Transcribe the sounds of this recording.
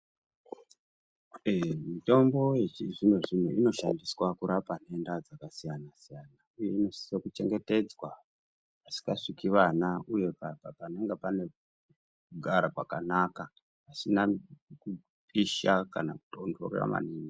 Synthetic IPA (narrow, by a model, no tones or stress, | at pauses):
mito̞mbo̞jet͡ʃiʐinweʐin̤eino̞ʃandiswakuɾapane̞ndad͡zakasijanasijanauje̞ino̞si̥sokut͡ʃe̞ŋɡe̞te̞d͡zwa | asi̥kaʂikiʋanauje̞kapapaneŋɡepane̞ | kuɡʱaɾakwa̰kanaka | asinaku | piʃaka̰nakutondo̰rḛra̰ma̰niːni